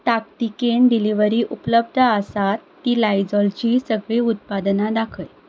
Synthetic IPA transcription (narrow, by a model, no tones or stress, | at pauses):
t̪akt̪ikeɳɖiliʋəɾiːʔupləbd̪ʱaəsat̪ːiːlajd͡zɔlt͡ɕisəɡɭiut̪̚pad̪nad̪akʰəj